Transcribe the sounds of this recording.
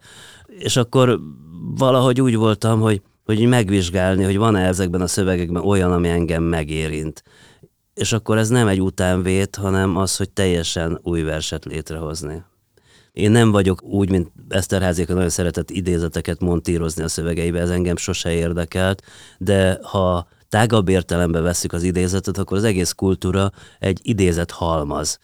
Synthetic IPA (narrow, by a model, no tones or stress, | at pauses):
eːʃɒkːo̞rvɒlɒɦo̞ɟuːɟvo̞lt̪ɒmɦo̞ɟ | ho̞ɟmɛɡʋiʒɡaːlniɦo̞ɟvɒnɛzɛɡbɛnɒsø̞vɛɡɛɡ̚bɛno̞jɒnɒmiɛŋɡɛmːɛɡeːɾint̪ | eːʃɒkːo̞ɾɛznɛmɛɟːut̪aːɱveːt̪hɒnɛmɒsho̞c̚t̪ɛjːɛʃɛnuːjvɛrʃɛt̪leːt̪rɛɦo̞zni | eːnːɛɱvɒɟo̞kuːɟmint̪ɛst̪ɛrɦaːzikɒnɒɟjonsɛɾɛt̪ɛt̪ːid̪eːzɛt̪ɛkɛt̪mo̞nt̪iːɾo̞zniɒsø̞vɛɡɛjibɛːzɛŋɡɛmʃo̞ʃɛeːrd̪ɛkɛlt̪d̪ɛhɒ | t̪aːɡɒbːeːrt̪ɛlɛmbɛvɛsːykɒzid̪eːzɛt̪ɛt̪ɒkːoɾɒzɛɡeːskult̪uːɾɒɛ̰ɟːid̪eːzɛt̪hɒlmɒz̥